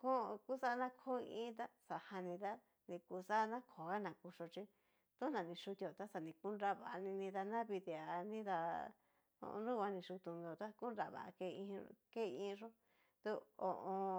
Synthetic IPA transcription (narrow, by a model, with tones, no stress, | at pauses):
kõ˦˧ku˦sa˦˧nã˦kʰo˦˧ḭ̃˦t̪a˦sa˨ha˧nĩ˧t̪a˦ | nĩ˧ku˧sa˦˧nã˦kʰo˨ɣa˦nã˨ku˧ʂo˧t͡ʃi˦ | t̪u˦nã˨nĩ˧ʂu˧t̪o˨t̪a˦sa˧˨nĩ˧ku˦nɾa˧βa˨a˧nĩ˧nĩ˧t̪a˧nã˦βi˧t̪i˧a˨˧nĩ˦ða˧ | õ̰˧ɾũ˦kʷa˧nĩ˧ʃu˧t̪u˧n˧o˧t̪a˦ku˦nɾa˨βa̰˨ʔa̰˧ke˧ĩ˧ke˦˧ĩ˧ʐo˦ | t̪u˧˦o̰˨ʔõ˧